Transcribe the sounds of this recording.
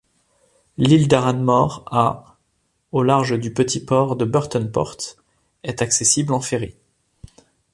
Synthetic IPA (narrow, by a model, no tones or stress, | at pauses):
lild̪aʁanmɔʁa | olaʁʒəd̪ypət̪ʰipɔʁd̪əbœʁt̪ɔnpɔ̰ʁt̪ | ɛt̪aksesiblɑ̃feʁi